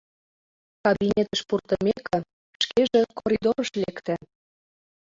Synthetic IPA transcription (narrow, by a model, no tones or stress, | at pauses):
kɑbinʲet̪ə̆ʃpurt̪ɤmekɘ̆ | ʃkeʒĕkoɾʲid̪oɾəʃlekt̪æ